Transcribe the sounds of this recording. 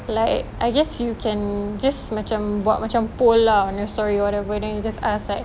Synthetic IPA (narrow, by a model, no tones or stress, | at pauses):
laɪkʔaɪɡɛsjukʰɛ̃nd͡ʒasmat͡ʃãmbwa̰t̚mat͡ʃãmpolaɔ̃njɔstɔɹiɔwɔtɛvədɛ̃njud͡ʒasaslaɪk̚